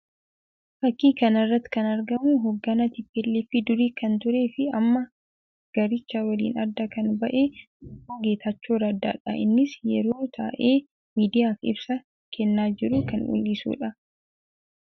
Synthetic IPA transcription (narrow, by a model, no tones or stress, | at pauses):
fɐkːiːkɐnɐrːɐt̪ːɪ̥kɐnɐɾɡɐmuːɦɔɡːɐnɐt̪ɪpːelːiːfɪd̪ʊɾiːkɐnt̪ʊɾe̞ːfɪɐmːɐ | ɡ̥ɐɾɪt͡ʃːaːwɐlḭːnɐɾd̪ːɐkɐnbɐʔe̞ː | uːɡeːt̪ʰɐt͡ʃːoːɾɐd̪ːa̰ːᶑɐ̰ʔɪ̰nːɪsjɛ̰ɾo̞ːt̪ʰa̰ːʔe̞ː | miːd̪ɪjaːfɪ̰bsɐ | kʰɛnːaːd͡ʒɪɾʊkɐnṵlːisṵːᶑɐ